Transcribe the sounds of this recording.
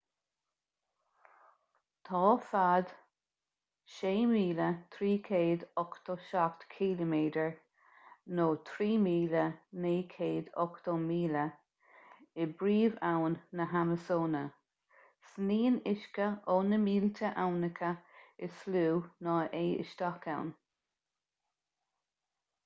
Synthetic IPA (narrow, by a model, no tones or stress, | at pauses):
t̪ʰɑːfad̪ | ʃeːmiːlət̪ʰɾiːkʰeːd̪ɔkt̪ʰoʃakt̪kʰiləmeːdəɹ | noːt̪ʰɾiːmiːləneːkʰeːd̪ɔkt̪ʰomiːlə | ɪbɾiːvawnːəɦaməsoːnə | sniːnɪʃkəoːnəmiːlt̪ʰəʔawnəkʰəɪsluːnɑːʔeːɪ̰ʃt̪akʰa̰wn